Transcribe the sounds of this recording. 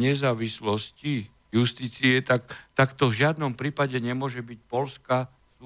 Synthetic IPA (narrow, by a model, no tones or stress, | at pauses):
ɲɛzaːʋislɔsci | just̪iːt͡siɛt̪akt̪akt̪ɔvʒɪad̪nɔmpɾiːpaɟɛɲɛmʊɔʒɛbic̚pɔlska | s